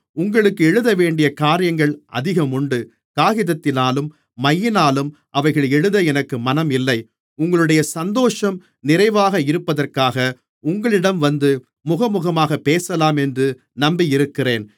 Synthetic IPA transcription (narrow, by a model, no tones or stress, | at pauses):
ʊŋɡɐɭɯkːɯɛɻɯðɐʋeːɳɖɪjɐkaːɾɪjɐŋɡɐɭʔɐ̰ðɪɣɐmʊɳɖɯ | kaːɣɪðɐt̪ːɪnaːlɯmː | ɐjːɪnaːlɯm | ʔɐʋɐɪɣɐɭɛɻɯðɐɛnɐkːɯmɐnɐmɪlːɐɪ | ʊŋɡɐɭɯɽɐjɐsɐnd̪oːʂɐm | nɪrɐɪʋaːɣɐɪɾɯpːɐðɐrkaːɣɐ | ʊŋɡɐɭɪɽɐmʋɐnd̪ɯ | mʊɣɐmʊɣɐmaːɣɐpːeːsɐlaːmɛndrɯ | nɐmbijɪɾɯkːɪreːn